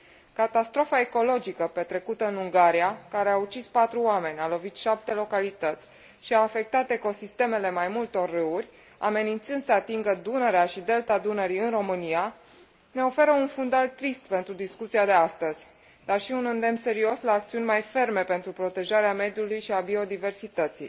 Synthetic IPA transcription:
kat̪ast̪ɾo̞fae̞ko̞lo̞d͡ʒikəpe̞t̪ɾe̞kut̪əɨnuŋɡaɾiakaɾe̞aut͡ʃispat̪ɾuame̞nʲalo̞vit̪ʃap̚t̪e̞lo̞kalit̪ət̪sʲ | ʃiaːfe̞k̚t̪at̪e̞ko̞sist̪e̞me̞le̞majmult̪o̞rːɨurʲ | a̰me̞nint̪sɨnd̪səat̪iŋɡəd̪unəɾeaʃid̪e̞lt̪ad̪unəɾiɨnro̞mɨnija | ne̞o̞fe̞ɾəunfund̪alt̪ɾist̪pe̞nt̪ɾud̪iskut̪siad̪e̞ast̪əz̥ʲ | d̪arʃiunɨnd̪e̞mse̞ɾio̞slaːkt̪siunʲmajfe̞rme̞pe̞nt̪ɾupɾo̞t̪e̞ʒaɾeame̞d̪julujʃiabio̞d̪ive̞rsit̪ət̪sḭj

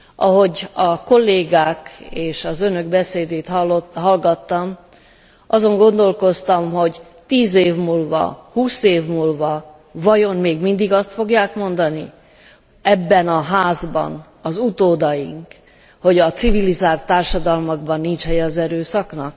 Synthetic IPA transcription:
ʔɒɦo̞ɟɒko̞lːeːɡaːkeːʃɒzønø̞ɡbɛseːd̪eːt̪hɦɒlɡɒt̪ːɒm | ɒzo̞ŋɡo̞nd̪o̞lko̞st̪ɒmɦo̞ɟ | t̪iːzeːvmuːlvɒ̰huːseːvmuːlvɒ | vɒjo̞mmeːɡmind̪iɡɒst̪fo̞ɡjaːkmo̞nd̪ɒnḭ | ɛbːɛnɒɦaːzbɒ̰n | ɒzut̪oːd̪ɒjḭŋk | ho̞ɟɒt̪sivilizaːrt̪ːaːrʃɒd̪ɒlmɒɡbɒnːint͡ʃhɛjɛːzɛɾøːsɒknɒk̚

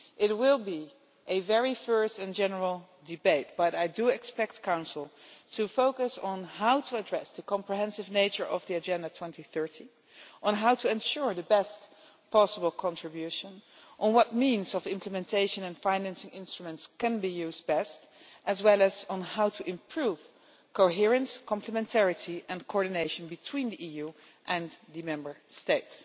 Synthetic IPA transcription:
ʔɪt̚wɪlˠbi | ʔɨvɛɹifɜ˞stɨ̃nd͡ʒɛnə˞l̩ˠ | dɨbeɪt̚b̥ʌɾaɪdɨɪkspɛk̚t̚kʰãʊ̃nsl̩ˠtʰufoʊkəsn̩ɦaʊtʰəədɹɛsðɨkɑ̃mpɹiɦɛ̃nsɨvneɪt͡ʃə˞ʔʌvðiɨd͡ʒɛ̃ndətʰw̥ɛ̃ntiθɜ˞ti | ʔə̃nɦaʊtʰəɨ̃nʃʊɹðɨbɛst | pʰɑsəbəl̩ˠkʰɑ̃ntɹ̥ɨbjʉʃə̃nʔə̃nwʌt̚mĩnzɔvɪ̃mpʰləmɛ̃ntʰeɪʃə̃nɛ̃nfãɪnæ̃nsɪ̃ŋɪ̃nstɹ̥umə̃ntskɨ̃nbijʉːzdbɛst | ʔɨzwɛlˠəzn̩haʊtʰuʔɪ̃mpʰɹuv̥ | koʊɦɪɹɨ̃nskɔ̃mpʰləmɛ̃ntʰɛɹɨtʰiʔɛ̃nkʰoɔɹdɨneɪʃə̃nbɨtʰw̥ĩndiʔiju | ʔɛ̃nðɨmɛ̃mbə˞steɪts

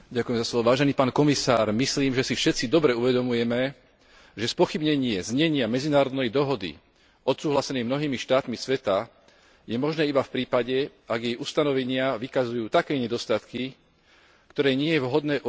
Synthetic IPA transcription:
ɟakujɛmzaslɔʋɔʋaːʒɛniːpaːnkɔmisaːɾmisliːmʒɛsifʃɛt̪t͡sid̪ɔbɾɛuʋɛd̪ɔmujɛmɛ | ʒɛspɔxibɲɛɲɪɛzɲɛɲɪamɛd͡zinaːɾɔd̪nɛjd̪ɔɦɔd̪ḭ | ʔɔt̪suːɦlasɛnɛjmnɔɦiːmiʃt̪aːt̪misʋɛt̪a | jɛmɔʒnɛːibafpɾiːpaɟɛaɡjɛjust̪anɔʋɛɲɪaʋikazujuːt̪akɛːɲɛd̪ɔst̪at̪ki | kt̪ɔɾɛːɲɪɛjɛʋɦɔd̪nɛːʔ

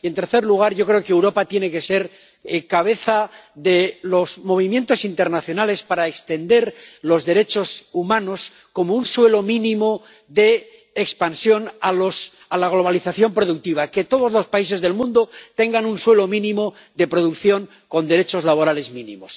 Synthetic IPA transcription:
ie̞nt̪eɾθe̞ɾluɣ̞aɾʝo̞kɾe̞okeewɾo̞pat̪je̞neke̞se̞ɾ | kaβ̞e̞θaðe̞lo̞zmo̞βimje̞nt̪o̞sint̪e̞ɾnaθjo̞nale̞spaɾaekst̪e̞nd̪e̞ɾlo̞zðe̞ɾe̞t͡ʃo̞sumãno̞s | ko̞mo̞unswe̞lo̞mĩnĩmo̞ | ðe̞ː | kspansjo̞nalos | alaɣ̞lo̞βaliθaθjo̞mpɾo̞ðuk̚t̪iβ̞ake̞t̪o̞ð̞o̞zlo̞spais̬e̞zðe̞lmũnd̪o̞t̪e̞ŋɡanunswe̞lo̞mĩnĩmo̞ | ðe̞pɾo̞ðukθjo̞ŋ | ko̞nd̪e̞ɾe̞t͡ʃo̞zlaβ̞o̞ɾale̞zmĩnḭ̃mo̞s

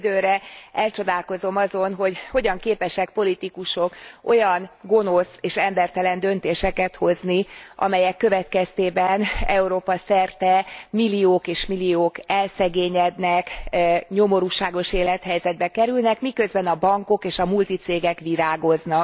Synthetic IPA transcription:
d̪øːɾɛɛlt͡ʃo̞d̪aːlko̞zo̞mɒzo̞nɦo̞ɟho̞ɟɒŋkeːpɛʃɛk̚po̞lit̪ikuʃo̞ko̞jɒnɡo̞noseːʃɛmbɛrt̪ɛlɛnd̪ø̞nt̪eːʃɛkɛt̪ho̞zniʔɒ̰mɛjɛkːøvɛt̪kɛst̪eːbɛnɛuɾoːpɒsɛrt̪ɛmilːioːkeːʃmilijoːkɛlsɛɡeːɲɛd̪nɛkɲo̞mo̞ɾuːʃaːɡo̞ʃeːlɛt̪hɛjzɛd̪̚bɛkɛɾylnɛkmikø̞zbɛnɒbɒŋko̞keːʃɒmult̪it̪seːɡɛkʋiɾaːɡo̞znɒk

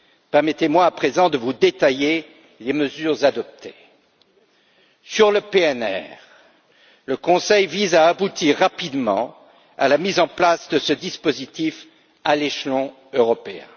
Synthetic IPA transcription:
pɛʁmɛt̪emwaːpχezɑ̃d̪əvud̪et̪aje | leməzyʁzad̪ɔp̚t̪ʰe | syʁləpeɛnɛ̰ʁ | ləkɔ̃sɛjvizaːbut̪iʁːapid̪mɑ̰̃ | a̰lamizɑ̃plasd̪əsəd̪ispozit̪if | aleʃlɔ̃ | øʁɔpeɛ̰̃

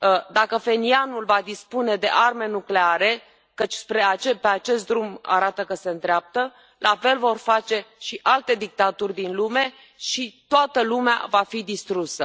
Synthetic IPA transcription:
d̪akəfe̞nianulvad̪ispune̞d̪e̞̰ʔarme̞nukleaɾe̞ | kət͡ʃʲspɾe̞at͡ʃepe̞at͡ʃe̞st̪̚d̪ɾuma̰ɾat̪əkəse̞ɨnt̪ɾeap̚t̪ə | lʔafe̞lvo̞rfat͡ʃe̞ʃiʔalt̪e̞d̪ik̚t̪at̪urʲd̪inlume̞ | ʃit̪oat̪əlumea̰vafid̪ist̪ɾusə

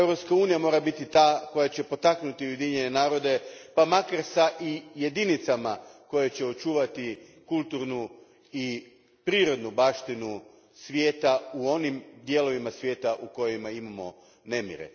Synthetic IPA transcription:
ewɾo̞pskauːnijamo̞ːɾabit̪it̪aːko̞jat͡ɕepo̞t̪aknut̪iuje̞d̪iɲe̞ne̞naːɾo̞d̪e̞pamakaɾsaʔije̞d̪init̪samako̞jet͡ɕeo̞t͡ʃuːʋat̪ikulˠt̪uɾnu | i | pɾiːɾo̞d̪nubaːʃt̪inu | sʋjeːt̪auo̞nimd̪je̞ːlo̞ʋimasʋje̞ːt̪aʔuko̞jimaimamo̞̰ | ne̞mjḭɾḛ

